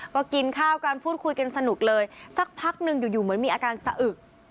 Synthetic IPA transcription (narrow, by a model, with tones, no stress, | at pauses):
kɔː˧˩ki˧nkʰaː˥˩wkaː˧npʰuː˥˩t̪̚kʰu˧jka˧nsa˧nu˨˩k̚lɤː˧jsa˨˩k̚pʰa˦˥k̚nɯ˧ŋjuː˨˩juː˨˩mɯ˩˦ənmiː˧ʔaː˧kaː˧nsa˧ʔɯ˨˩k̚